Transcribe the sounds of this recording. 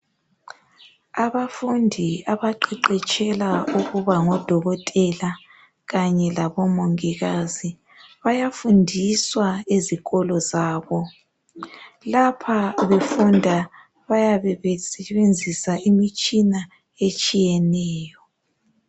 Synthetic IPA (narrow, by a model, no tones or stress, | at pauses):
aβafundʱiaβaǃiǃɛt͡ʃʼɛlauɣuβaŋɔd̥ʱɔɣɔtʼɛla | ɣaɲɛlaβɔmoŋiɣazi | βajafundʱiswaeziɣɔlɔzaːβɔ | lapʰaβefundʱa | βajaβɛβɛsɛβend͡zʱisaʔimit͡ʃʼina | et͡ʃʼijɛnɛːjɔ